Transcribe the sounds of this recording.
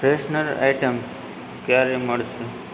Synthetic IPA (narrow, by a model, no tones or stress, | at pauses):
pɾesnəɾa̰jʈəms | kjaɾeməɭse